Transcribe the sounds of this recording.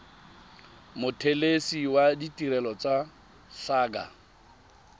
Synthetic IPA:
mʊtʰelesiwaditʼiɾɛlɔt͡sʼa | saːɡa̰

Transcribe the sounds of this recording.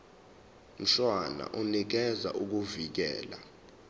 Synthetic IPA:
m̩ɬwana̰ʔunik̬ɛza̰ʔuk̬uvik̬ɛ̰ːla

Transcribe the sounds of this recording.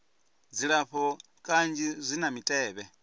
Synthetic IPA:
d͡ziɺaɸɔ | kʼand͡ʒizʷinamitʼɛːβɛ

